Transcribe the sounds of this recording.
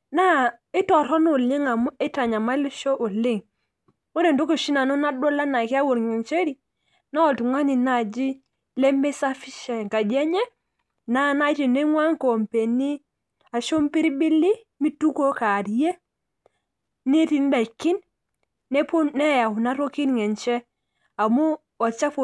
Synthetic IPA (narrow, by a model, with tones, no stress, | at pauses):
na˦ɪ˦tɔ˨ɾɔ˦nʊ˨lɪ˦ŋa˨mu˦ɛ˦ta˨ɲa˨ma˦li˦ʃo˦ʔʊ˨lɪ˦ŋ | wo˦ɾe˨nto˦ke˨ʃi˦na˨nu˦na˦do˦la˦na˨ki˦a˦wo˨ɾŋe˨nt͡ʃe˦ɾi˦ | na˦ɔ˨ltu˨ŋwa˦ni˨na˨d͡ʒi˦ | le˦mbe˦sa˦fi˦ʃa˨ŋka˨d͡ʒɛ˦ɲɛ˦ | na˦na˦t͡ʃi˨ne˦ŋwa˦ŋ˦ko˨mpe˨ni˦ | a˨ʃo˦m˦pi˦ɾbi˦li˦ | mi˦tu˦ko˦ka˨ɾje˦ | ni˦ti˨n˦da˨i˨kːi˦nː | ɛ˦po˦nɛ˦ja˨wu˨na˦ɾo˦ki˦nŋɛ˨nt͡ʃɛ˦ | a˨mu˦ | ɔ˨t͡ʃa˦fo˨